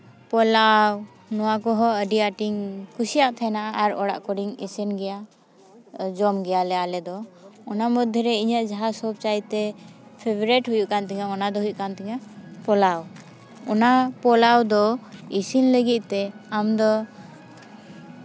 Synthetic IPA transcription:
pɔlaw | nɔwakɔɦɔəɖiaʈiŋkusijaʔt̪ʰɛnaʔaʔaɾɔɽa̰ʔkɔɽiŋɛsɛnɡɛja | d͡ʒɔmɡɛjalɛalɛd̪ɔɔnamɔd̪ʱːɛɾɛiɲəʔd͡ʒaɦasɔb̚t͡ʃajt̪ɛpʰebɔɾɛʈɦujuʔkant̪ɛŋaɔnad̪ɔɦujuʔkant̪ɛŋapɔlaw | ɔnapɔlawd̪ɔisinləɡit̪̚t̪ɛamd̪ɔ

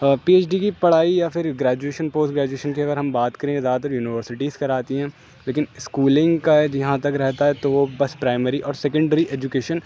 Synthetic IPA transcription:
piːeːt͡ʃɖikipɐɽ̤aːijafɪɾɡɾɛːd͡ʒueːʃənpoːsʈɡɾɛːd͡ʒueːʃənkeɐɡəɾɦɐmbaːt̪kɐɾẽzaːd̪t̪ɐɾjuːnɪʋəɾsɪʈiːzkɐɾaːt̪iɦɛ̃ː | leːkɪnɪskuːlɪ̃ŋɡkaɛd͡ʒɐɦãt̪ɐkɾɛɦt̪aɦɛt̪oʋobɐspɾaːɪməɾiʔɔːɾsɛːkə̃ɳɖəɾiʔeːd͡ʒukeːʃən

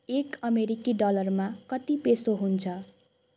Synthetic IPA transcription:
ekʌmeɾikiɖʌlʌrmakʌt̪ipesoɦunt͡sʰʌ

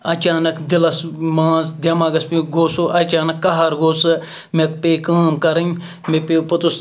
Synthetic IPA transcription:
ɐt͡ʃaːnɐkd̪ɪlɐsmãːnsd̪ʲjɐmaːɡɐspiɡoːsoːʔɐt͡ʃaːnɐkːɐɦɐɾɡoːsɨ | mekpeːkaːmkɐɾɐŋ | mepepɐt̪us

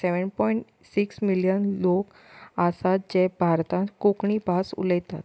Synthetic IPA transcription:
sɛʋənpɔiɳʈ | siksmiljənlok | asat̪̚d͡ʑebʱaɾt̪ãkukɳiːbʱasṵləjt̪at̪

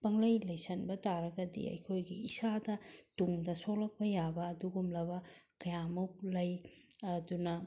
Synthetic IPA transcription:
pɐŋlɐjlɐjsɐnbɐtaɾɐɡɐdḭɐ̰jkʰojɡiːsadɐtuŋdɐsolɐk̚pɐjabɐːduɡumlɐbɐkɐjamɐwlɐjɐdunɐ

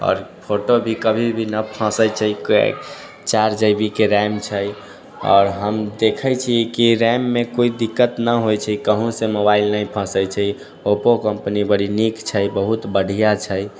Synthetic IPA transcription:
ɔ̰ːɾpʰoʈobʱikəbʱibʱinəpʰãsəjt͡ʃʰəikḛ | t͡ʃaɾd͡ʒəjbikeɾamt͡ʃʰəj | ɔ̰ːɾɦəmd̪ekʰəjt͡ʃʰiekiɾɛmːekoid̪ikːət̪nəɦojt͡ʃʰəkəɦũsemobailnəĩpʰə̃səjt͡ʃʰə | opokəmpənibəɽinikt͡ʃʰəjbəɦut̪bəɽ̤ʱijat͡ʃʰəj

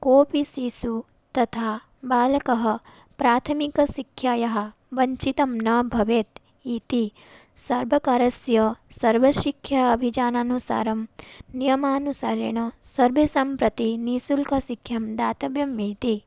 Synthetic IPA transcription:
koːpisiːsu | t̪ɐt̪ʰaː | baːlɐkɐɦɐ̆ | pɾaːt̪ʰɐmikɐsikʰjaːjɐɦɐ̆ | ʋɐɲt͡ʃit̪ɐmnɐbʱɐʋeːt̪ | iːt̪i | sɐɾbʱɐkaːɾɐsjɐsɐɾʋɐʃikʰːjɐɐbʱid͡ʒaːnaːnusa̰ːɾɐmnijɐmaːnusaːɾḛɳɐsɐɾbʱesɐmpɾɐt̪iniːsulkɐsikʰjɐmd̪aːt̪ɐbjɐmiːt̪i

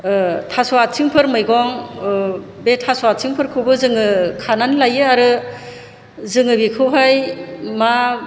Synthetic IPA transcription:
tʰasɔat̚siŋpʰɯɾmɯjɡɔŋ | betʰasɔat̚siŋpʰɯɾkʰɯwbɯzɯŋɯkʰananlajɯaɾɯ | zɯŋɯbikʰɯwɦajma

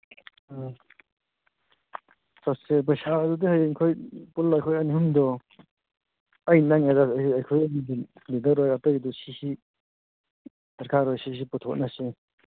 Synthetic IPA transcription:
sasep̬ɐjsaɐdudihajkʰojpulːajkʰojɐnihumdɔ | ɐjnaŋadaɐjkʰojnidlidɐɾɔjatɐjdusisi | sɐɾkaɾɔjsis̬iputʰɔk̚nase

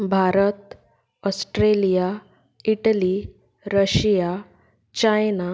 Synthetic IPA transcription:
bʱaɾət̪ | ɔsʈɾelija | iʈəli | ɾəɕija | t͡ɕajna

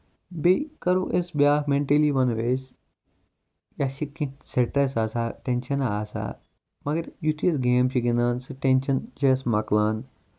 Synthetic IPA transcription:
bekɐɾuʔesbjaːhmeɳʈeliʋɐnʋeːs | jaɕikĩseʈɐsasaʈẽnʃɐnaːsa̰ | mɐɡɐɾjut̪ʰiesɡeːmt͡ʃiɡinaːnsɨʈenɕɐnt͡ʃesmaklaːn

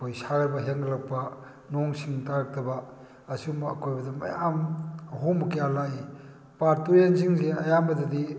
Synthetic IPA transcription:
kojsaɡɐɾbɐɦeŋɡɐlak̚pɐ | nɔŋsiŋtaɾɐk̚tɐbɐ | ɐsiumɐːkʰojbɐdɐmɐ̰jamɐɦombɐkijalai | paɾtujenziŋzeɐjambɐdɐdi

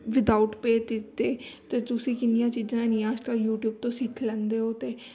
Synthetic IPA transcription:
ʋɪd̪aːuʈpeːt̪ɪt̪eːt̪eːt̪ʊsĩːkɪnɪjãːt͡ʃiːzãːnĩːaːd͡ʒkəljuːʈjuːb̚t̪õːsit̪ʰlɛ̃nd̪eːɦoːt̪eː

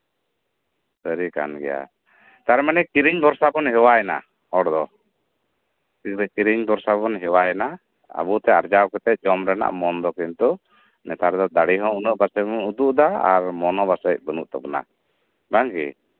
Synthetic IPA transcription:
səɾika̰nɡɛ̰ja̰ | t̪aɾmanɛkiɾiɲb̪ɔɾsabɔnɦɛwajɛna̰ | ɔɽd̪ɔ | tikɾɛkiɾiɲb̪ɔɾsabɔnɦɛwajɛna | a̰but̪ɛaɾd͡ʒawkɛt̪ɛc̚ˀd͡ʒɔmɾɛna̰ʔmɔnd̪ɔkint̪u | nɛt̪ʰaɾd̪ɔd̪aɽiɦɔ̃unəʔbasɛbunud̪uʔd̪aa̰ɾmɔnɔbasəc̚bənṵʔt̪ɔbɔna̰ | baŋɡḭ

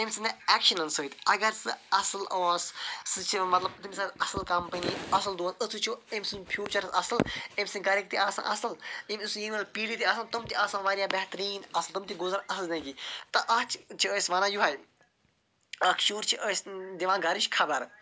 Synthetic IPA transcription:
emʲsɨnɐɛːkʃɐnɐnsət̪ʲɐɡɐɾsɨɐsɨloːssɨt͡ʃʰimɐt̪lɐbt̪umisɐt̪ɐsɨlkɐmpəniɐsɨld̪uɐsəsut͡ʃʰuemʲsɨnpʰjuːt͡ʃɐɾsɐsɨlemʲsɨɡɐɾik̚t̪iʔaːsã̰ʔɐsɨlimʲisjimʲɐlpiːɽit̪iɐsɐnt̪umt̪iʔɐsãːʋaɾjaːbɐɦt̪ɾiːnɐsɨlt̪umt̪iɡʊzɐɾɐsɨlnɐ̃ɡit̪ɐʔɐt͡ʃʰt͡ʃʰiəːsʲʋɐnajuɦaːj | ɐkʃuːɾt͡ʃʰiʔəːsd̪iʋãːnɡɐɾiʃkʰɐbɐɾ

